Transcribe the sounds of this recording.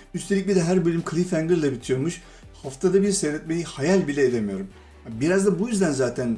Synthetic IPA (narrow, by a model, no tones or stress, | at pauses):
yst̪ʰelʲicbʲid̪ɛɦæɾbølʲymkʰɯlʲˠifæŋɡɯɾd̪ˠabit̪ʰijo̞ɾmuʃ | haft̪ʰad̪abiɾsɛjɾɛt̪̚mejihajalʲbilʲɛːd̪emijo̞ɾum | biɾazd̪abujyzd̪ænzaːt̪ʰæn